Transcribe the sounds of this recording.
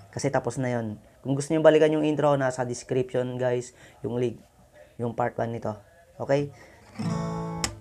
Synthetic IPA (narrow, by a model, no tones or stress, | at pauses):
kɐsɛt̪aposnɐjon | kʊŋɡʊst̪oɲambalikɐnjʊŋʔint̪ɾonasɐd̪ɪskɾipʃonɡajsjʊŋliɡ̚ | jʊŋpaɾt̪wanːɪt̪o̞ | ʔokɛj